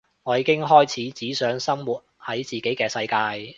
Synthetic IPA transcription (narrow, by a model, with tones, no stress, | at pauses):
ŋɔː˨˧jiː˨˧kɪ˥ŋɦɔː˥jt͡sʰiː˨˥t͡siː˨˥sœː˨˥ŋsɐ˥mwuː˨˩t̚hɐ˨˥jt͡siː˨˩ke˨˥jkɛː˧sɐ˧jkaː˧j